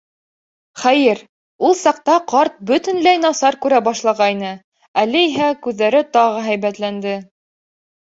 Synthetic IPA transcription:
χæjɘɾ | ulˠsɑq̚t̪ɑqɑɾt̪̚bɵ̆t̪ɘ̆nlæjnɑsɑɾkʉɾæbɑʃlˠɑʁɑjnɤ | ælɘiɦækʉðːæɾɘt̪ɑʁɤɦæjβæt̪lænd̪ɘ

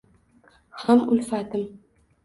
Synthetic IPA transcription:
hamʊlfat̪ɪm

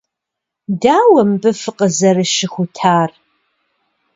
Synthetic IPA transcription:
daːwɐmbɨfɨqəzɐrɨʃɪxʷʊtʰaːr

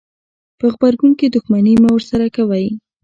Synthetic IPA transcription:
pəɣbaɾɡunkid̪ʊxmanimawəɾsaɾakawaj

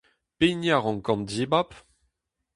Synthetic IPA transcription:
pejnjaʁɑ̃ŋkɑ̃ndibap

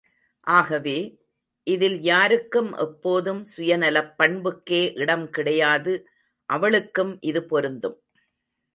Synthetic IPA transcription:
ʔaːɣɐʋeː | ʔɪðɪljaːɾɯkːɯmʔɛ̰pːoːðɯmsʊjɐnɐlɐpːɐɳbɯkːeːʔɪɽɐmkɪɽɐjaːðɯ | ʔɐʋɐɭɯkːɯmʔɪðɯpɔɾɯnd̪ɯm

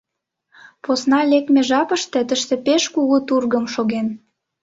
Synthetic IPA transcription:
posnɑlek̚meʒɑpəʃt̪et̪əʃt̪epeʃkuɣut̪urɣəmʃoɣen

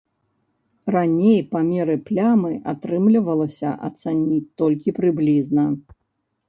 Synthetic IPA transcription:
ranʲejpamʲɛɾɨplʲamɨʔat̪ɾɨmlʲivɐlˠɐsʲɐ̰ʔa̰t̪sanʲit̪ɔlʲkʲipɾɨblʲiznɐ

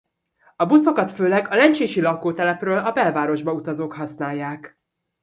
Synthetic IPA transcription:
ɒbuso̞kɒt̪føːlɛɡɒlɛnt͡ʃeːʃilɒkːoːt̪ɛlɛprøːlʔɒbɛlvaːɾo̞ʒbɒut̪ɒzoːkhɒsnaːjːaːk

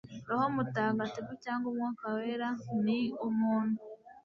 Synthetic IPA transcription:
ɾohomutaɡatikucaːŋɡumŋakaweːɾaniumuːnu

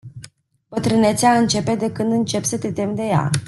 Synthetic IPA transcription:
bət̪ɾɨne̞t̪sʲaɨnt͡ʃe̞pe̞d̪e̞kɨnd̪ɨnt͡ʃe̞psət̪e̞t̪e̞md̪e̞ja̰

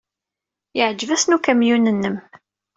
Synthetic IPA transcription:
jəʕd͡ʒːəvæsnukæmjunənːəm

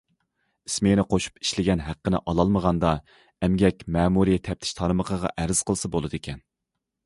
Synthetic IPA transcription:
ismenɪqʰoʃu̥pi̥ʃlɪɡʲɛnɦæqːənɪ̰ʔɑlˠɑlˠməʁɑnd̪ɑ | ɛmɡʲɛkʲmɛːmuɾijɛt̪ʰɛp̚t̪ʰɪ̥ʃt̪ʰɑɾməqʰəʁɑ̰ʔæɾz̥qʰəlˠɨsɑbolˠɨd̪ekʲʰɛn

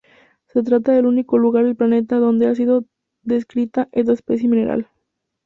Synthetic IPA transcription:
se̞t̪̬ɾat̪aðe̞luniko̞luɣaɾðelplane̞t̪aðo̞nd̪e̞as̬iðo̞ | ðe̞skɾit̪aʔes̬t̪aespes̬je̞mĩne̞ɾa̰l

